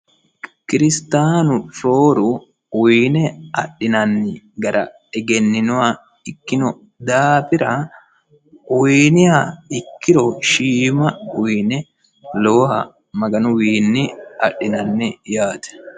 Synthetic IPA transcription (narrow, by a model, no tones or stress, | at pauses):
kɪɾɪst̪aːnʊfoːɾʊ | wiːnɛɐɗɪnɐnːɪ | ɡɐɾʔɐ̰ | ɛɡɛnːɪnʊɐ | ɪkːɪnɔ | d̪aːpɪɾɐ | winɪhɐɪkːɪɾɔʃiːmɐwnɛ | loːhɐ̰ | mɐɡɐnʊwiːnːɪɐɗːɪnɐnːɪjaːt̪ɛ̥